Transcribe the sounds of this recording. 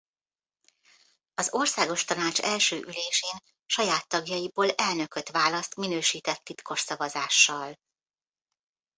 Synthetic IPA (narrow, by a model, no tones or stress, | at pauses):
ɒzo̞rsaːɡo̞ʃt̪ɒnaːt͡ʃɛlʃøːʔyleːʃeːn | ʃɒjaːt̪ːɒɡjɒjiboːlɛlnø̞kø̞t̪ʋaːlɒst̪minøːʃiːt̪ɛt̪ːit̪ko̞ʃsɒvɒzaːʃːɒl